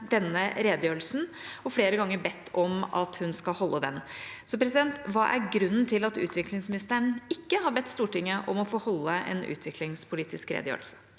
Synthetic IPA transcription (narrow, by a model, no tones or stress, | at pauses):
d̪ɛnːəɾeːd̪jøːɾl̩sn̩ | ɔfɽeːɾəɡɑŋːəɾbɛt̪ːɔmɑ̰t̪hʉnskɑlhɔlːəd̪ɛnsɔpɾɛs̬ɪd̪ɛnt̪ʋɑːʔæɾɡɾʉnːnt̪ʰɪlɑt̪ʉ̰ːt̪ʰʋɪklɪŋsmɪnɪst̪əɳɪkːəɦɑɾbɛt̪ːst̪uːʈɪŋːəʔɔmɔfoːhɔlːəɛ̰nʉ̰ːt̪ʰʋɪklɪŋspʰʊliːt̪ɪskɾḛːd̪jø̰ːɾl̩sə̥